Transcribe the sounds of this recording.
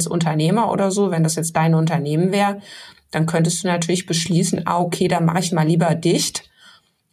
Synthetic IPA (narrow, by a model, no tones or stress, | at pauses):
sʔʊ̰ntɐneːmɐʔo̰ːdɐzoːvɛndasjɛt͡std̥aɪnʊntɐneːmənvɛːʁəd̥ankʰœntəstd̥uːnatʰyːɐlɪçb̥əʃliːsn̩ʔa̰ːʔokʰeːdaːma̰χəɪçmaːlːiːbɐdɪçt